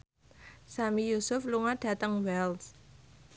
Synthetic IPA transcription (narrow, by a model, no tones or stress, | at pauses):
samijusʊfluŋaɖ̥ä̤t̪əŋwɛls